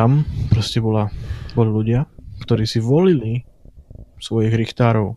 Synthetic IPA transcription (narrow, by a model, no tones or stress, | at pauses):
ampɾɔscɛbɔlabɔliluɟɪakt̪ɔɾiːsiʋɔlili | sʋɔjiɣɾixt̪aːɾɔʊ